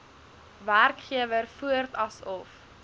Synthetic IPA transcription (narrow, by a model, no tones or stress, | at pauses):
værkχiəvərfuərtɐsɔf